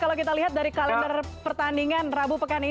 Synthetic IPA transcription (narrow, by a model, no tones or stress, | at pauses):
kalawkit̪aliɦat̪̚daɾikalandaɾ | pərt̪andiŋanrabupəkani